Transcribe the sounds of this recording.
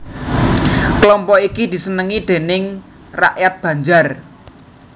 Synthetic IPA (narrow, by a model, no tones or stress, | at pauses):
klɔmpɔikid̪̥i̤sənəŋid̪̥e̤nɪŋ | ra̰ʔjat̪̚b̥ä̤ɲd͡ʒar